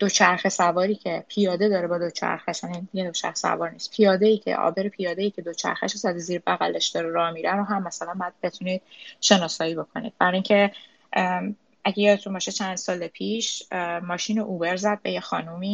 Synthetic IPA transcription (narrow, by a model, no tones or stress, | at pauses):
d̪̥o̞t͡ʃʰæɾxesævɒːɾiːcʰe̞pʰijɒːd̪e̞d̪ɒːɾebɒːd̪o̞t͡ʃʰæ̰ɾxeʃænid̪iɡed̪ot͡ʃʰæ̰ɾxe̥sæ̰vɒːɾniːspʰijɒːd̪e̞iːcʰḛʔɒ̰be̞ɾepʰijɒːd̪eiːcʰe̞d̪o̞t͡ʃʰæ̰ɾxæ̰ʃozæd̪iziːɾbæɣæleʃd̪ɒːɾeɾɒːmiːɾænɾoɦæmːæsælænbæd̪̚be̞t̪ʰuniːd̪̥̚ʃe̞nɒːsɒːjiːbo̞kʰo̞nḭd̪̚bæɾiŋcʰe | ʔæɟejɒːd̪et̪ʰunbɒːʃet͡ʃʰænd̪sɒːlepʰiːʃmɒːʃiːnoʔuːbe̞ɾzæd̪̚bejexɒːnumiː